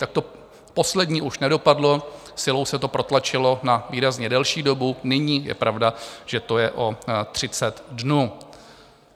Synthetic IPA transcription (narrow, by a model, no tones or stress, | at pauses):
t̪ak̚t̪o̞ | po̞slɛdɲiːʔuʃnɛdo̞padlo̞ | sɪlo̞wsɛt̪o̞pɾo̞t̪lat͡ʃɪlo̞naviːɾazɲɛdɛlʃiːdo̞bunɪɲiːjɛ̰pɾʔavdaʒ̥ɛt̪o̞jɛʔo̞t̪r̝̥ɪt͡sɛt̪dnuː